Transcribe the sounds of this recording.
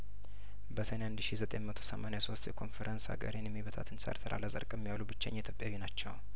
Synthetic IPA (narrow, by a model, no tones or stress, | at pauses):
bəsənand̪ʃizət̪ʼejmət̪ʰo̞̥səmaneaso̞st̪jɛkʰo̞nfeɾʔənsa̰ɡə̰ɾenjɛmːiβət̪ʰa̰t̪ʰɨnsa̰ɾt̪ʰəɾʔa̰ləzʼə̰ɾkʼɛmːijalubɨt͡ʃːa̰ɲːit̪ʰjopʼːjaβinat͡ʃːɛw